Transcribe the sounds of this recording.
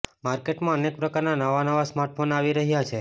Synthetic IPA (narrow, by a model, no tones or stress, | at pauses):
maɾkeʈmãənek̚pɾəkaɾnanəʋanəʋasmaɾʈ̚fʰonaʋiɾəɦjat͡ʃʰe